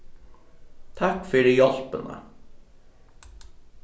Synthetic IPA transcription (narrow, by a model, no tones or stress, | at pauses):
t̪ʰakfʏːɾijɔl̥pənə̰